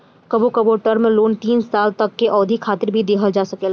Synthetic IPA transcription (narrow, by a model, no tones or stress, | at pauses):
kɐbokɐboʈəɾmẽloːnt̪iːnsaːlt̪ɐkːeʔɔːd̪ʱikʰaːt̪ɪɾbʱid̪eːkʰəld͡ʒaːsɐkeːlː